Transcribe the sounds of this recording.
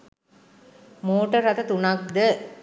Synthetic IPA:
moːʈəɾːɐt̪ɐt̪unɐk̚d̪ə

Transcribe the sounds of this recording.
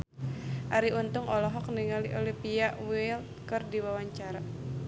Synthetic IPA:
ʔaɾiunt̪ʊŋɔlɔɦɔk̚niŋaliʔɔlipiaʔwiilt̪̚kərdiwawaɲt͡ʃaɾa

